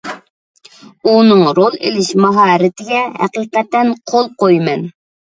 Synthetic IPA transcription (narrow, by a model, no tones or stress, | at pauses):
unɨŋɾolˠḛlɪʃmɑɦɑːɾɪt̪ʰɪɡʲɛhæ̰qiːqɛt̪ːɛnqʰolˠqojmɛn